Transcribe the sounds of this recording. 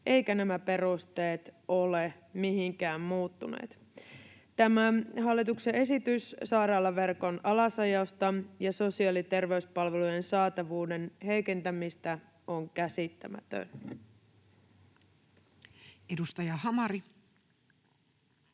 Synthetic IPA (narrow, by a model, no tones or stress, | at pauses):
ʔe̞jkænæmæpe̞ɾust̪e̞ːt̪o̞le | miɦiŋkæːmmuːt̪ːunḛːt̪ | t̪æmæɦɑlːit̪uksee̞sit̪yssɑːɾɑːlːɑʋe̞rko̞nɑlɑsɑjɑst̪ɑjɑso̞siɑːlit̪e̞rʋe̞yspɑlʋe̞lujensɑːt̪ɑʋuːde̞nhe̞jke̞nt̪æmist̪æ | o̞ŋkæsit̪ːæmæ̰t̪ø̰n | edust̪ɑjɑhɑmɑɾi